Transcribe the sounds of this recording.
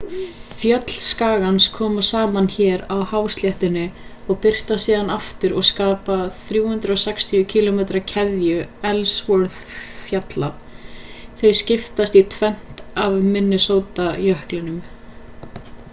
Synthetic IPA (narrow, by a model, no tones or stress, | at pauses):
fjœt̪l̥skaːɣanskʰɔːmasaːmançɛːɾawhawst̪ljɛht̪ɪnːɪɔɣpɪr̥t̪asiːðanaft̪ɪɾɔɣskaːpaθɾjuːhʏnt̪ɾʏɔsɛkst̪ʰiʏcʰilɔmejt̪ɾacʰɛðjʏɛlsvɔɾθfjat̪la | θejscɪft̪ast̪it̪ʰvɛn̥t̪avmɪnːʏsoːwt̪ajœhklɪnʏm